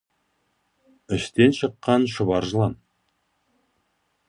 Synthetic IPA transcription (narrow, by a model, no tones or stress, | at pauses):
ʏʃt̪e̞nʃəqːɑnʃəβɑɾʒəlˠɑm